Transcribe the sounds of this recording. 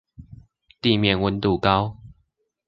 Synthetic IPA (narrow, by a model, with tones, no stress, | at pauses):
t̪i˥˨mjɛ˥˨nwə˨˦nt̪u˨kɑ˦ʊ